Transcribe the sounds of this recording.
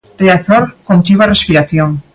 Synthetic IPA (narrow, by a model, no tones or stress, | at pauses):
reakt̪oɾkont̪iβarespiɾaθjon